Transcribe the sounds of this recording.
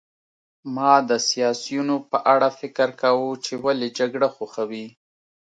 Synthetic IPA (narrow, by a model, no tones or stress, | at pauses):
mɑd̪əsijɑsijunopəʔaɽafɪkəɾkawut͡ʃewaled͡ʒaɡɽaxoxawi